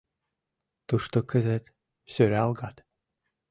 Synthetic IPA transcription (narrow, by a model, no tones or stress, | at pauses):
t̪uʂt̪okɘ̆zɘ̆t̪ | søɾʲeɑlˠɡɑt̪